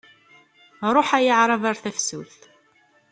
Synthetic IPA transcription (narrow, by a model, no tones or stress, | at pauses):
ɾˤoħæjəʕɾˤɑvaɾθæfsuθ